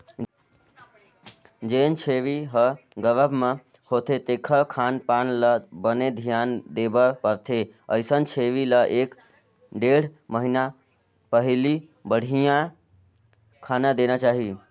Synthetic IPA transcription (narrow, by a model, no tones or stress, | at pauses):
d͡ʒeːnt͡ʃʰeʋiɦə | ɡəʋəbmẽ | hoːt̪ʰet̪eːkʰəkʰaːnpaːnləbəned̪ʱijaːnd̪ebəpəɾt̪ʰe | ə̰ɪsənt͡ʃʰeːʋiləʔeːk | ɖeːɽ̤məɦina | pəɦli | bəɽ̤ʱijã | kʰaːnad̪enat͡ʃaːɦi